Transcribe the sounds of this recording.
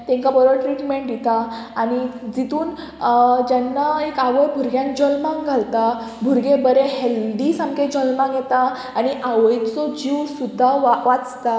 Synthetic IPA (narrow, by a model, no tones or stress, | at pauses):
t̪ẽŋkabəɾəʈɾiʈmeɳʈjit̪aːñid͡zit̪uːn | d͡ʑanːaekaʋəɾbʱuɾɡjãŋk̚d͡ʑɔlmãŋɡʱalt̪abʱuɾɡebəɾeɦelɖisãŋkẽd͡ʑɔlmãŋɡjɛt̪a | aɽ̃iʔaʋəjt̪t͡sɔd͡ʑiʋsud̪ʱːaʋaʋat͡st̪a